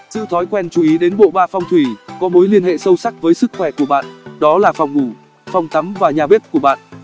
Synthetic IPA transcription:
zɨ̰˧˨t̪ʰɔ˨˦jkwɛ˧nt͡ɕu˨˦i˨˦ɗe˨˦nɓo̰˧˨ɓaː˧fa˧wŋ͡mt̪ʰwi˧˩kɔ˨˦mo˨˦jli˧ənhḛ˧˨sə˧wsa˦˥k̚vəː˨˦jsɨ˦˥k̚xwɛ˧˩ku˧˩əɓa̰ː˧˨nɗɔ˨˦laː˨˩fa˨˧wŋ͡mŋu˧˩ | fa˧wŋ͡mt̪ʰə˨˦mvaː˨˩ɲaː˨˩ɓe˦˥p̚ku˧˩əɓa̰ː˧˨nʔ

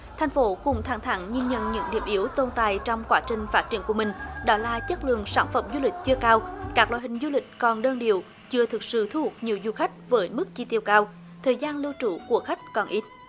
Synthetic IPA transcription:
t̪ʰa˨˩jŋ̟fo˨˦kʊ˨˧˩ŋ͡mt̪ʰaː˧˩ŋt̪ʰa˧˨˦ŋɲi˧nɲə̰˧˨nɲɨ̰˧˥ŋɗḭ˨˩əmʔi˨˦əwt̪o˧nt̪aː˨jt͡ɕɔ˧wŋ͡mkwaː˧˦˥t͡ɕï˨˩ŋ̟faː˦˥t̚t͡ɕi˧˩ənku˧˩əmï˨˩ŋ̟ɗɔ˨˦laː˨˩t͡ɕə˦˥t̚lɨ̰˧˨əŋsa̰ː˧˩nfə˨˧˩mzu˧lï˨˩k̟̚t͡ɕɨ˧əkaː˧wkaː˦˥k̚la̰ː˧˨jhï˨˩ŋ̟zu˧lï˨˩k̟̚kɔ˨˩nɗəː˧nɗi˨əw | t͡ɕɨ˧ət̪ʰɨ˨˩k̚sɨ̰˧˨t̪ʰu˧˩hu˨˩t̚ɲi˨˩əwzu˧˩xa˦˥jk̟̚vəː˨˦jmɨ˦˥k̚t͡ɕi˧t̪i˧əwkaː˧w | t̪ʰəː˨˩jzaː˧nlə˧wt͡ɕu˧˦ku˧˩əxa˦˥jk̟̚kɔ˨˩nʔi˦˥t̚

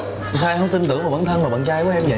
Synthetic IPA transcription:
saː˧ʔɛ˧mhə˧ŋ͡mt̪i˧nt̪ɨ̰˧˩˨vaː˨˩və̰˧˩nt̪ʰə˧nmaː˨˩ɓa̰ː˧˨nt͡ɕaː˧jkɔ˨˦ʔɛ˧mjə̰˧˨

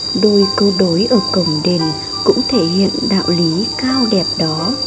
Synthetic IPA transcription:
ɗo˧jkə˧ɗo˨˦jʔəː˧˩kə˨˩wŋ͡mɗe˨˩n | kʊ̰˧˥ŋ͡mt̪ʰe˧˩hḭ˧˨ənɗa̰ː˧˨wli˨˦kaː˧wɗɛ˨˩p̚ɗɔ˨˦

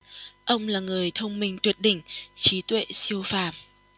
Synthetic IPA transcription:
ʔə˧wŋ͡mlaː˨˩ŋɨ˨˩əjt̪ʰə˧wŋ͡mmï˨˩ŋ̟t̪wi˨˩ət̚ɗḭ̈˧˨ŋ̟t͡ɕi˨˦t̪wḛ˧˨si˧əwfa̰ː˧˨m

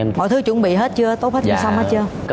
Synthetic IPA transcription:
mɔ̰˧˨jt̪ʰɨ˨˦t͡ɕʊ̰˧˥ŋ͡mɓḭ˧˨ɦe˦˥t̚t͡ɕɨ˧ət̪o˦˥t̚he˦˥a˧˩sa˧maː˨˦˥t͡ɕɨ˧ə

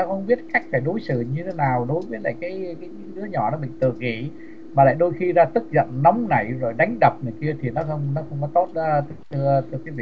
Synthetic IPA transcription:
a˧wxə˧wŋ͡mɓi˦˥ət̚ka˦˥jk̟̚faː˧˩jɗo˨˦jsɨ̰˧˨ɲɨ˧t̪ʰe˨˦naː˨˩wɗo˨˦jviː˨˦la̰ː˨˩jkaː˨˦jkaː˨˦jɗɨ˨˦əɲɔ˧˩nɔ˨˦mï˨˩ŋ̟t̪ɨ˧˩ɣḭ˧˩ | maː˨˩la̰ː˧˨jɗo˧jxi˧zaː˧t̪ɨ˦˥t̚zə̰˧˨nnɔ˨˦wŋ͡mna̰˧˩jzo˨˩jɗa˨˦jŋ̟ɗə˨˩p̚nɨ˨˩əjki˧ət̪ʰi˨˩nɔ˨˦xə˧wŋ͡mnɔ˨˦xə˧wŋ͡mkɔ˨˦t̪o˦˥t̚ːt̪ʰt̪ʰɨ˧t̪ʰɨ˧əki˨˦vḭ˧˨

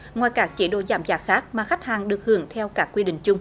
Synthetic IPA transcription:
ŋwaː˨˩jkaː˦˥k̚t͡ɕi˧˩ɗo̰˧˨zaː˧˩mzaː˧˥xaː˦˥k̚maː˨˩xa˦˥k̟̚haː˨˩ŋɗɨ˨˩ək̚hɨ˧˦əŋt̪ʰɛ˧wkaː˦˥kːwi˧ɗï˧˨ŋ̟t͡ɕʊ˧ŋ͡m

